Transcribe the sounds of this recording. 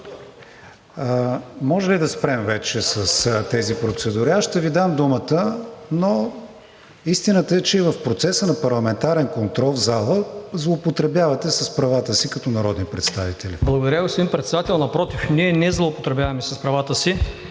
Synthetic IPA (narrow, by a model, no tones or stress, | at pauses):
mɔʒɛlid̪ɐspɾɛmvɛt͡ʃɛsəst̪ɛzipɾot̪sɛd̪uɾiaʃt̪ɛvid̪amd̪umət̪əno | ist̪inət̪əɛt͡ʃɛivəfpɾot̪sɛsənɐpɐɾlˠɐmɛnt̪aɾɛnkont̪ɾɔlˠvzalˠəzlˠoːpot̪ɾɛbjavɐt̪ɛsɐspɾɐvat̪əsikɐt̪ɔnɐɾɔd̪nipɾɛt̪st̪avit̪ɛlḭblˠəɡʊd̪ɐɾjaʊsd̪inmpɾɛt̪sɛd̪at̪ɛlˠnɐpɾɔt̪ifniɛnɛzlˠopot̪ɾɛbjavɐmɛsɐspɾɐvat̪əsi